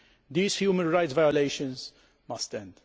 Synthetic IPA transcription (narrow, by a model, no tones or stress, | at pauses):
d̪iːshjuːmə̃nɹajtsvajɔleɪʃə̃nz | mɐstɛ̃nd̪̥